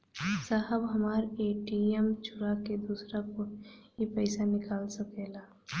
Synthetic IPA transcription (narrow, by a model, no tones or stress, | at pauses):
saɦəbɦɐmaːɾeːʈiemt͡ʃʰʊɾaked̪uːsɾakoipɛɪsanɪkaːlsəkeːlaː